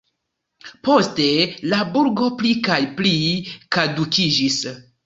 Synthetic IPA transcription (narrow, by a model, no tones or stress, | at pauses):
po̞ste̞labuɾɡo̞plikajplikadukʰid͡ʒis